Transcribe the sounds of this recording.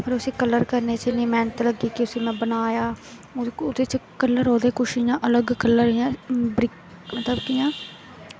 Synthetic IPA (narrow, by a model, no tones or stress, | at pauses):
pʰəɾʊsĩːkələɾkəɾneːt͡ʃenĩːmɛ̃ːnət̪ləɡiːkɪʊsĩːmɛ̃ːbənaːjaː | ʊd̪eːt͡ʃkələɾɦoːd̪eːkʊʃijãːʔələɡkələɾɦɪjãːbɾɪk | mət̪ləbkijãː